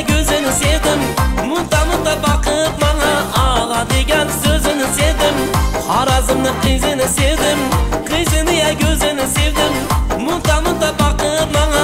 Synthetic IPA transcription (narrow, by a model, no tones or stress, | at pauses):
kʲʰɵzɪnɪsewd̪ɪmmʊnt̪ɑməmd̪ɑbɑqəəp̚mɑɴɑɑlˠɑd̪eɡʲænsɵzɪnɪsewd̪ɪmhɑɾɑzəmnəqʰijzenɪsewd̪ɪmqʰijsenɪjækʲʰɵzɪnɪsewd̪ɪmːʊnt̪ɑmənd̪ɑpbɑqəpmɑɴɑ